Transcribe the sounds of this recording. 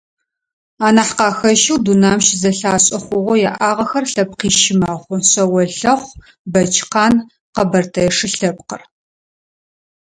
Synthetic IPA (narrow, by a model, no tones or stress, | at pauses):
aːnaħqɑːxɐʃiwdunaːmʃzɐɬaːɕʼɐχʷʊʁʷɔjaʔaːʁɐxɐrɬɐp̚qiːʃɪmaːʁʷʊɕʼɐwɐɬɐχʷ | bɐt͡ʃʰʼqɑːn | qɐbɐrtʰɐjɛʂɨɬɐp̚qər